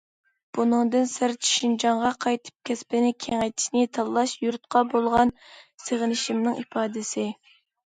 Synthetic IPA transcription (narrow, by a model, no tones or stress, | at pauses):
b̥unɨŋd̪ɨnsɪɾt͡ʃʰi̥ʃind͡ʒɑɴʁɑqʰɑjt̪ʰɨ̥p̚kʲʰɛspɪnɪkʲʰeŋɛjt̪ʰi̥ʃnɪt̪ʰɑlˠːɑʃjuɾt̪̚qʰɑbolˠʁɑnseʁɪnɪʃimnɨŋipʰɑːd̪ɪsɪ